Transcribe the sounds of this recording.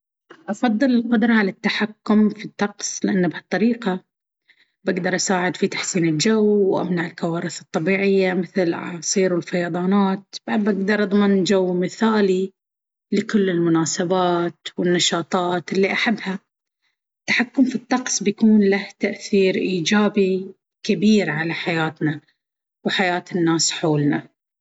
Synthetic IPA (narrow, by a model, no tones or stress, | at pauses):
ʔɑfɑðˤːɨlɪlqʊd̪ɾˤɑʕalat̪ːaħakːʊmfit̪ˤːɑqsˤlɪʔanːabhɑt̪ˤːɑɾiːqa | baɡd̪ɑɾˤʔasaːʕɪd̪fit̪aħsiːnɪld͡ʒawwʔa̰mnaʕɪlkawɑːɾɪθɨt̪ˤːɑbiːʕɪjːamɪθlʕa̰sˤiːɾɪlfɑjɑːðˤɑːnaːt̪̚b̥aʕd̪̚baɡd̪ɑɾˤʔɑd̪ˤmɪnd͡ʒawːmɪθaːli | lɪkʊlːɪlmʊnaːsabaːt̪wɪnːɑʃɑːt̪ˤɑːt̪ʔɪlːiʔaħabːha | t̪ːḁħakːʊmfit̪ˤːɑqsˤbjakuːnlaht̪aʔθiːɾʔiːd͡ʒaːbi | kɪbiːɾʕalaħajaːt̪na | wħajaːt̪ɪnːaːsħoːlna